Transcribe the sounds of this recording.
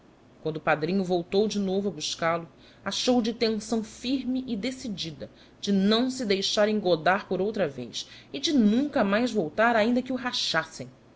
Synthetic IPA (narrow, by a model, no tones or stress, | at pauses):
kwɐ̃nd̪ʊupad̪ɾĩɲʊvowt̪owd͡ʒɪnovɐbuʃkalʊ | aʃowd͡ʒɪt̪ẽŋsɐ̃w̃fiɾmɪʔɪd̪esid͡ʒid̪ɐ | d͡ʒɪnɐ̃w̃sɪd̪ejʃaɾẽŋɡod̪aɾpoɾowt̪ɾɐvḛjʃɪd͡ʒɪnũŋkɐmajzvowt̪aɾaĩnd̪ɐkɪuɦaʃasẽj̃